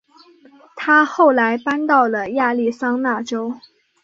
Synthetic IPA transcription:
t̪ʰa˥xo˥˩ʊla˧˥ɪpa˥nt̪ɑ˥˩ʊlə˩ja˥˧li˥˩sɑ˥ŋna˥˩ʈ͡ʂo˥ʊ

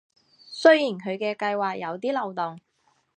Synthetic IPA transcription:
sɵ˥ɥjiː˨˩nkʰɵ˨˧ɥkɛː˧kɐ˧jwaː˨k̚jɐ˨˧wt̪iː˥lɐ˨˩wt̪ʊ˨˩ŋ

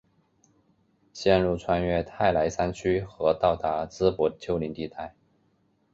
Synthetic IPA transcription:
ɕjɛ˥˧nɻu˥˩t͡sʰwa˥nɥɛ˥˧t̪ʰa˥˩ɪla˧˥ɪsa˥nt͡ɕʰy˥xɤ˧˥t̪ɑ˥˩ʊt̪a˧˥t͡sɹ̩˥pwɔ˧˥d̪t͡ɕʰjo˥ʊli˧˥ŋt̪i˥˧t̪a˥˩ɪ

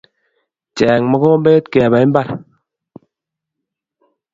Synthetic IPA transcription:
t͡ʃɛː˨ŋmɔ˦kɔ˦mbe˦tke˨ba˨i˦m̩˦ba˦˨ɾ

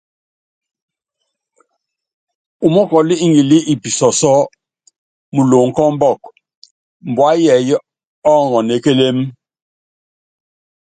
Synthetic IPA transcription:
u˨mɔ˦kɔ˨li˦i˦ŋɡi˨li˦ʔi˨pi˨sɔ˨sɔ˦ | mu˨lo˨ŋ̩˨kɔ˦m˦bɔ˦˨k | m˨bwa˦jɛ˨j | ɔ˦˨ŋɔ˨ne˨˦ke˦le˦m

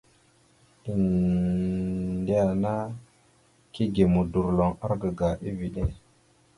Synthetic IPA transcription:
i˨n | di˦ja˨na˦ | ki˦ɡe˨mu˨du˨ɾlo˨ŋa˦ɾɡə˨ɡa˨ʔi˦vi˨ɗe˦

